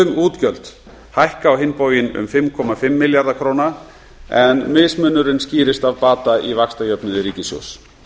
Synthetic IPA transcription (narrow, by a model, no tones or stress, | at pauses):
ʏmuːt̪cœlt̪ | hajhkaːwɦɪnːpoːwjɪnʏ̰mfɪmkʰɔmafɪmːɪljaɾðakʰɾoːwna | ɛnmɪsmʏnːʏɾɪnsciːɾɪst̪avpaːt̪aivakst̪ajœpnʏðɪɾiːcɪsjo̰ws